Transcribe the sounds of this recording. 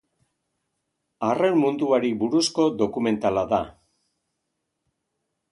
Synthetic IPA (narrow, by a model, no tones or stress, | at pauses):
arenmund̪uaɾibuɾusko̞ðo̞kume̞nt̪alaða